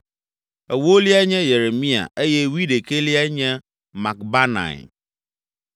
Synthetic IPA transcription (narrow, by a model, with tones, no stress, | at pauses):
ɛ˨wo˦li˦a˦ɲɛ̃˦je˨ɾe˨mĩ˦a̰˨ʔe˦jɛ˦wi˦de˨kʰe˦li˦a˦ɲɛ̃˦ | ma˨k̚ba˦nã̰˨